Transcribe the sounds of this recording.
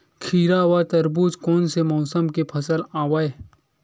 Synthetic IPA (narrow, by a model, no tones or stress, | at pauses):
kʰiːɾaʋat̪ɐɾbuːd͡ʒkɔːnsemɔːsəmkepʰɐsəlaːwae